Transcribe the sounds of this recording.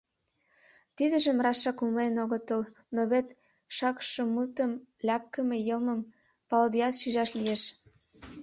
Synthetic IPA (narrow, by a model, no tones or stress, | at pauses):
t̪id̪ə̆ʒə̆mrɑʃːɑkumlenoɣət̪əl | noβet̪ | ʃɑkʃə̆mut̪əmlʲɑp̚kə̆mejɤlməm | pɑld̪iɑt̪ʃiʒɑʃlijeʃ